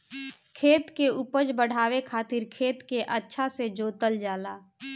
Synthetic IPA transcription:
kʰeːt̪keupəd͡ʒbəɽ̤aːwekʰaːt̪ɪɾkʰeːt̪keʔətːʃʰased͡ʒoːt̪əld͡ʒaːlaː

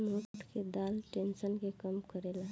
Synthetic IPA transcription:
mott̪ked̪alʈensənkekəmkəɾela

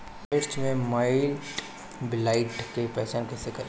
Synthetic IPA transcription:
ɪɾt͡ʃmẽmaːɪl | bɪlaːɪʈkepɛːt͡ʃaːnkɛsekɐɾ

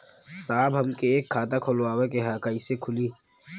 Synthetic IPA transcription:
saːbɦɐmkeeːkʰːaːt̪akʰoloaːwekeɦaːkaisekʰʊliː

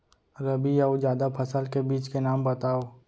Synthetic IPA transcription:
ɾɐbijaud͡ʒjaːd̪apʰɐsəlkebiːt͡ʃkenaːmbɐt̪aːoː

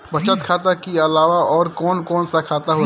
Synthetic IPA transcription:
bɐt͡ʃət̪kʰaːt̪akiɐlaːʋaɔːɾkɔːnkɔːnsakʰaːt̪aɦoː

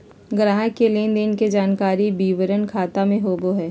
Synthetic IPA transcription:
ɡɾãːɦkeleːnd̪enked͡ʒaːnkaːɾibiːʋəɾənkʰaːt̪amẽɦoːboɦɛː

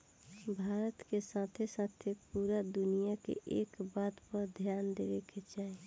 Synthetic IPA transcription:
bʱaːɾət̪kesãːt̪ʰesaːt̪ʰepuːɾad̪ʊnijakḛʔeːkbaːt̪pəɾd̪ʱjaːnd̪eːɾeket͡ʃaːe

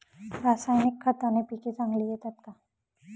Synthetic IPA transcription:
ɾaːsaːjnikʰːat̪anepiːket͡sãŋɡliet̪ɐt̪̚ka

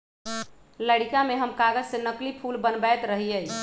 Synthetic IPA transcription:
ləɽikameɦəmkaɡəd͡ʒsenəklipʰulbənbɛt̪ɾəɦijəj

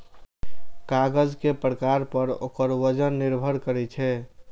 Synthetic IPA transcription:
kaɡəd͡ʒkepɾəkaɾpəɾo̰kəɾʋəd͡ʒənːiɾbʱəɾkəɾɛt͡ʃʰɛ

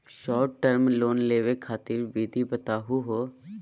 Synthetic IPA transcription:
ʃɔːɾʈːəɾmloːnleːʋekʰaːt̪ɪɾʋiːd̪ʱibət̪aːɦuɦoː

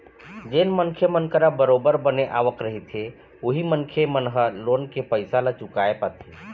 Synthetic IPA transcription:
d͡ʒeːnmənkʰemənkəɾabəɾobəɾbəneʔa̰ʋəkɾəɦit̪ʰe | uɦimənkʰemənɦəlonkepəɪsalat͡ʃʊkaepat̪ʰe

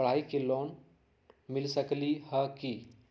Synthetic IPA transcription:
əɽ̤aːikeloːn | mɪlsəklihəki

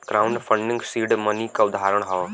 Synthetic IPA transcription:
ɡ̥ɾaːʊɳɖpʰə̃ɳɖɪ̃ŋɡsiːɖmənikaʊd̪aːɾəɽ̃ɦɔː

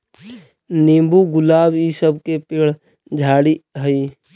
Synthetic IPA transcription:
nẽːmbuɡʊlaːbisəbkepɪɽ | d͡ʒʱaːɽiɦəi

